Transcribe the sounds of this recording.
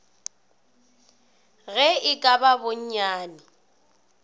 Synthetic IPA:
ɣɛɪkʼababʊɲ̩ɲaːnɪ

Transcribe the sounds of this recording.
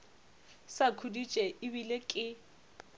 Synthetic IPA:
sakʰudit͡ʃʼɛɪβilekʼɪ

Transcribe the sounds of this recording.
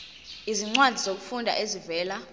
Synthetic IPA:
iziŋ͡ǀwadʱizok̬u̥fundʱa̰ʔezivɛːla

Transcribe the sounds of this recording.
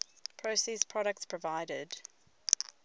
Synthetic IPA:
pʰɹ̥əʊsispʰɹ̥ɒɾək̚tspʰɹ̥əvaɪɾɪ̰d̥

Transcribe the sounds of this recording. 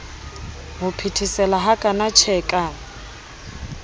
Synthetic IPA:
ɦʊpʰitʰisɛlaɦakʼanat͡ʃʰɛkʼa

